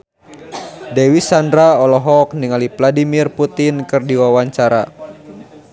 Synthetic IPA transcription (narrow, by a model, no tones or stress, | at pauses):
dɛwisandɾaɔlɔɦɔk̚niŋalivladimirput̪inkɨrdiwawaɲt͡ʃaɾa̰